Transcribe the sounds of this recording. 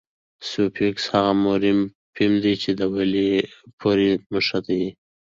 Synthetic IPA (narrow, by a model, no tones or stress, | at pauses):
sopʰikshaɣamoɾim | pʰimd̪it͡ʃed̪əwalipʰoɾimuʃat̪aji